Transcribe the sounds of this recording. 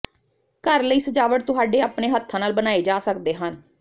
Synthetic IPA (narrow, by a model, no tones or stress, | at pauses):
kəɾləiːsəd͡ʒaːʋəʈ̚t̪ʊɦaːɖeːaːpneːɦət̪ʰːãːnaːlbənaːeːd͡ʒaːsəkd̪eːɦən